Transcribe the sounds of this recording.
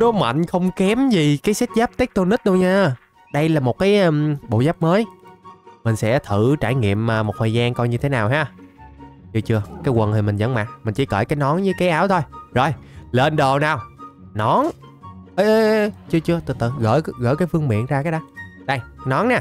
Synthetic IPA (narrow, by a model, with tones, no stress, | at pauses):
ɗo˨˦ma̰˧˨jŋ̟xə˧wŋ͡mkɛ˨˦mzi˨˩kaː˨˦jsaː˦˥t̚zaː˦˥p̚t̪i˦˥k̚t̪o˧nɨ˦˥t̚ɗə˧wɲaː˧ | ɗə˧jlaː˨˩mo˨˩t̚kaː˨˦jʔɓo̰˧˨zaː˦˥p̚məː˨˦j | mï˨˩ŋ̟sɛ̰˧˥t̪ʰɨ˧˩˨t͡ɕaː˧˩jŋḭ˧˨əma˨˩mo˨˩t̚hə˨˩zaː˧ŋkɔ˧jɲɨ˧t̪ʰe˨˦naː˨˩wɦaː˧ | t͡ɕɨ˧ət͡ɕɨ˧əkaː˨˦jkwə˨˩nh̪ʰi˨˩mï˨˩ŋzə̰˧˥ŋma̰˨˩t̚mi̟˨˩t͡ɕḭ˧˩kə̰ː˧˩jkaː˨˦jnɔ˨˦nɲɨ˨˦kaː˨˦jʔaː˨˦wt̪ʰo˧jzo˨˩jle˧nɗo˨˩naː˨˩w | nɔ˨˦n | ʔə˨˦t͡ɕɨ˧ət͡ɕɨ˧ət̪ɨ̰˧˩t̪ɨ̰˧˨˩ɣə̰ː˧˩jɣə̰˧˩jkaː˨˦jfɨ˧əŋmḭ˧˨ənzaː˧kaː˨˦jɗə˨˧˦jɗə˧jnɔ˨˦nɲa˨˩